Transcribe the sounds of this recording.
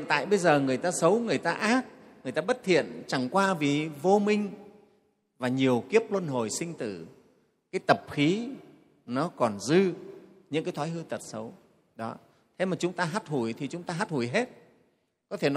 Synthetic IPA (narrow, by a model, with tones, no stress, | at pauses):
nt̪a̰ː˧˨jɓə˧jzəː˨˩ŋɨ˨˩əjt̪aː˧sə˨˦wŋɨ˨˩əjt̪aː˧ʔaː˦˥t̚ | ŋɨ˨˩əjt̪aː˧ɓə˦˥t̚t̪ʰḭ˧˨ənt͡ɕa˧˩ŋkwaː˧vi˨˩vo˧mï˧ŋ̟ | vaː˨˩ɲi˨˩əwki˦˥əp̚lwə˧nɦo˨˩jsï˧ŋ̟t̪ɨ̰˨˧˩ | kaː˨˦jt̪ə˨˩p̚xi˨˦ | nɔ˨˦kɔ˨˩nzɨ˧ | ɲɨ̰˧˥ŋkaː˨˦jt̪ʰaː˨˦jɦɨ˧t̪ə˨˩t̚sə˨˦w | ɗɔ˨˦ | t̪ʰe˨˦maː˨˩t͡ɕʊ˨˦ŋ͡mt̪aː˧ɦaː˦˥t̚hu˧˩jt̪ʰi˨˩t͡ɕʊ˨˦ŋ͡mt̪aː˧ɦaː˦˥t̚hu˧˩jɦe˦˥t̚ | kɔ˨˦t̪ʰe˧˩n˨˦